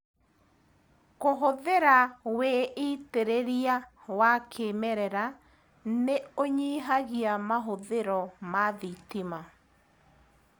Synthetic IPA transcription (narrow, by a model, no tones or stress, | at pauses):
koɦoðeɾaweiteɾeɾiawakʰemɛɾɛɾa | neoɲiːɦaɣiamaɦoðeɾɔmaðitima